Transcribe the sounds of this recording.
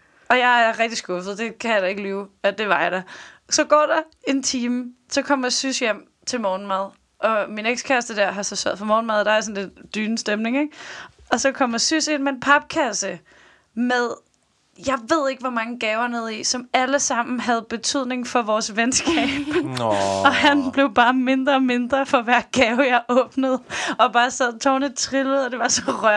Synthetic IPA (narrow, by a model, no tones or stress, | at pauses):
ɒ̽jɑ̈ɪæɐʁɛɡ̥̚d̥isɡ̥ɔ̽fð̩ˠd̥e̝kʰæjɾ̥ɑe̝ɡ̥əliːʊæd̥e̝ʋɑ̈jɑ̈d̥ɑsɒ̽ɡ̥ɒ̰ːd̥ɑ | e̝nt͡sʰiːməsɒ̽kʰɒ̽m̰ɐsysjem̰ | t͡sʰe̝lmɒːnmæð̞ˠ | ʔɒ̽mineɡ̥skʰæsd̥əd̥æɐ̰ɦɑ̈sɑsœ̰ð̰ˠfɒɑmɒːn̩mæðˠd̥ɑ̈æɐsɔ̽n̩le̝d̥ːyːnəsd̥emne̝ŋeɡ̥ | ɒ̽sɒ̽kʰɒ̽m̰ɐsyse̝n̰mee̝npʰɑ̈b̥̚kʰæsə | meðˠ | jɑ̈ɪʋe̝ð̞̰ˠe̝ɡ̥əʋɒmɑ̈ŋəɡ̥ɛːʊɐneð̞̰ˠisɒ̽mæləsɑ̈m̰n̩ɦæð̞̩ˠb̥e̝t͡sʰyð̞̰ˠne̝ŋfɒ̽ʋɒːsʋensɡ̥ɛ̰ːb̥ | ɒ̽hænb̥le̝ʊb̥ɑ̈ːme̝nd̥ʁɐːme̝nd̥ʁɐfɒ̽ʋæɐ̰ɡ̥ɛːʊjɑ̈ɪʔɔ̽ːb̥nəð̞̩ˠɒ̽b̥ɑ̈ːsæð̰ˠt͡sʰɒːnət͡sʰʁiləð̩ˠɒ̽d̥e̝ʋɑ̈sɒ̽ʁɶ̰